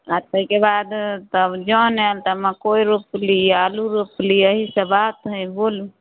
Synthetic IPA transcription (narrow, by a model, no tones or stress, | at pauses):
aɾt̪əikebad̪t̪əbd͡ʒɔnelt̪əmakoiɾupliaːluɾopliəɦisəbat̪ɦə̃jboːlũ